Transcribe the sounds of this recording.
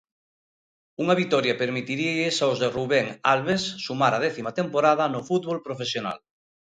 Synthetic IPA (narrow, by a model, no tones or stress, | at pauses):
uŋɐβit̪ɔɾjɐpeɾmit̪iɾiʎɪsawzðeruβɛŋalβesːumaɾað̞ɛθimat̪empoɾaðɐnʊfut̪βolpɾofesjona̰l